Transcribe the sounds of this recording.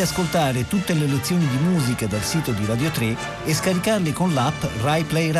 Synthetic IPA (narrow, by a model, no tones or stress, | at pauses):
askolt̪aːɾet̪ut̪ːelelet̪sːjoːnid̪imuːzikad̪alsiːt̪od̪iɾad̪jot̪ɾe | eskaɾikarleɪkonlapːrajplɛr